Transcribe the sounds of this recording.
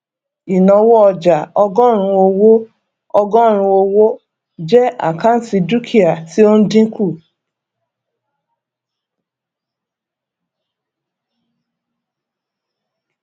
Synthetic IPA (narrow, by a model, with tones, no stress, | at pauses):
i˨nɔ̃˨wɔ˦ɔ˧d͡ʒa˨ɔ˧ɡɔ̃˦ɾ̃ũ˧o˧wo˦ | ɔ˧ɡɔ̃˦ɾ̃ũ˧o˧wo˦ | d͡ʒɛ˦a̰˨ka˦n̩˦si˧du˦kʰi˦a˨ti˦o˦n̩˦dĩ˦ku˦˨